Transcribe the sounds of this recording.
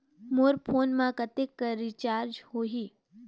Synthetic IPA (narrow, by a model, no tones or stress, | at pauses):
moːɾpʰoːnmãkɐt̪ekːəɾit͡ʃaːɾd͡ʒhoːɦiː